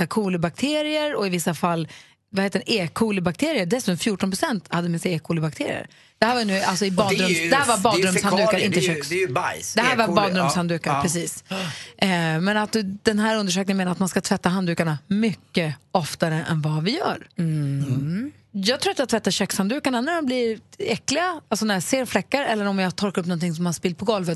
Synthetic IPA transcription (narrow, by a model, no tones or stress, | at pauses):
saːkʰuːləbak̚t̪ʰeːɾɪəɾɔɪvɪsːafalː | vaheːt̪əɖɛʔeːkʰːuːləbak̚t̪ʰeːɾɪəɖɛsʉ̟t̪ɔmfjuːʈɔnpʰɾʊsɛnt̪had̪ːəmɪnsaeːkʰuːləbak̚t̪ʰeːɾɪ̰ə̰ɾ | d̪̥ɛhæːvanʉːalsɔɪbɑdd̪ɾɵmsd̪ɛhæːɾvaɾbɑːd̪ɾɵmshand̪ʉːkaɾɪnt̪əɕœkjd̪ɛɦæːɾvabɑːd̪ɾɵmshand̪ʉ̟ːkaɾpʰɾɛsiːs | mɛnat̪̚d̪ɵd̪̥ɛnɦæːɾɵnd̪əʂ̬øːk̚nɪŋəmeːnat̪manskat̪ʰvɛt̪ːaɦand̪ʉ̟ːkaɳamʏkːəɔft̪aɾəʔɛ̰nvavɪjœ̰ːɾ | jɑːɡt̪ʰɾuːɾat̪jat̪ʰvɛt̪ːaɕœkshand̪ʉ̟ːkaɳanæɾmɔmblɪɾɛklɪɡaalsɔnæɾjaseːɾflɛkːaɾɛlːəɾɔmjɑt̪ʰɔɾkaɾɵpːnɔnt̪ʰɪŋs̬ɔmːanspɪl̚pʰɔɡɔlvət̪